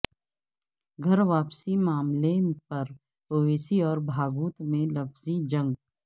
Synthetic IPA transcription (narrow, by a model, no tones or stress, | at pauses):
ɡʱɐɾʋaːpsimaːmlepɐɾ | oːʋeːsiɔːɾbʱaːɡuːt̪mẽlɐfzid͡ʒɐ̃ŋɡ